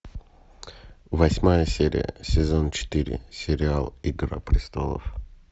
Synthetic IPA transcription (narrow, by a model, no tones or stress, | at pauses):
vɐsʲmajəsʲeɾʲɪ̰jə̰sʲɪzont͡ɕɪ̥t̪iɾʲɪ̰sʲɪɾʲɪalˠiɡɾə̰pɾʲɪst̪olˠə̰f